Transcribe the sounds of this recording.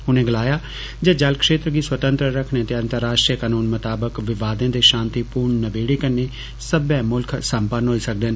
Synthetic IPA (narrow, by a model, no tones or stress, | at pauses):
ɦʊnẽːɡɪlaːjaː | d͡ʒəd͡ʒəlkʃeːt̪ɾəɡiːswət̪ə̃nt̪ɾəɾəkʰɳẽt̪eːə̃nt̪əɾːaːʃʈɾijkaːnuːnmət̪aːbəkʋɪʋaːd̪ãːd̪eːʃãːnt̪iːpuːɾɳːəbeːɽeːkənːeː | səbjɛ̃ːmʊlkʰsəmpənɦoːiːsək̚d̪eːn